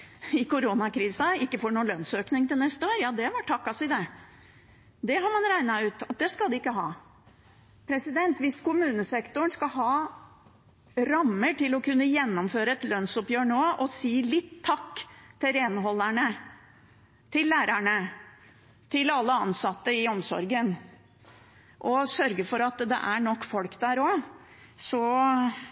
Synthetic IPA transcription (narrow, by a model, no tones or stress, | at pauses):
ɪkʊɾunɑkʰɾiːsəɪkːəfɔɳuːlœnsøːknɪŋt̪ɪlnɛst̪əoːɾjɑːd̪ɛʋɑʈʰɑkːɑsɪd̪ɛ | d̪ɛɦɑɾmɑnɾæɪnɑʉːt̪ɑt̪̚d̪ɛskɑld̪ɛɪkːəɦɑː | pʰɾɛsɪd̪ɛnt̪ʋɪskʊmʉːnəsɛkt̪ʊɳskɑɦɑː | ɾɑmːəʈɪlɔkʰʉnːəjɛnːɔmføːɾəɛt̪lœnsɔpjøːɳoːʔɔsiːlɪt̪ʰːɑkːt̪ʰɪɾɛːnɦɔlːæɳə | t̪ʰɪlːæːɾæɳə | t̪ʰɪlɑlːəɑnsɑt̪ːəɪɔmsɔ̰ɾɡən | ʔɔsœɾɡəfɔɾɑt̪d̪ɛ̰ʔæɳɔkːfɔlkd̪æɾoː | sɔ